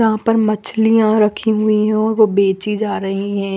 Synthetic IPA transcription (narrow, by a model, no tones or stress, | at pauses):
ɐɦãpɐɾmɐt͡ʃlijãɾɐkʰiɦʊiɦɛ̃ɔːɾʋobeːt͡ʃid͡ʒaːɾɐɦiɦɛ̃ː